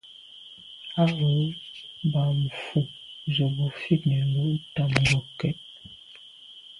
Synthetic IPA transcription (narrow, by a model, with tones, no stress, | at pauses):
a˦wo˨˦ba˨m̩˨fu˨zə˨bo˨fi˦k̚nɛ˨bu˦n̩˦ta˦˨m˨ɡo˨kɛ˦t̚